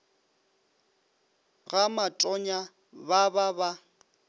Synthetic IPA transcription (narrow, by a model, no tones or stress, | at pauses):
ɣamatʼɔɲa | bababa